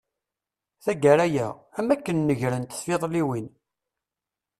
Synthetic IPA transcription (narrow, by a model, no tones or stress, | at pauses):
θæɡæɾæjææmækːənːəʝɾənt̪θfɪðˤliwin